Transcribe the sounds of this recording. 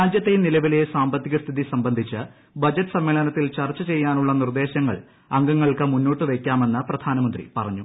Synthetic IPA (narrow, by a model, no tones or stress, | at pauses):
ɾaːd͡ʑjɐt̪ːejnilɐʋilejesaːmbɐt̪ːiɣɐst̪ʰiðisɐmbɐnd̪ʱit͡ɕːɨ | bɐd͡ʑɐʈːɨ̥sɐmːeːɭɐnɐt̪ːilt͡ɕɐrt͡ɕːɐt͡ɕe̞jːaːnuɭːɐnird̪e̞ːɕɐŋːɐ̰ɭ | ɐŋɡɐŋːɐɭkɨmunːo̞ːʈːɨʋe̞kʲːaːme̞nːɐprɐd̪ʱaːnɐmɐnd̪rḭpɐrɐɲːu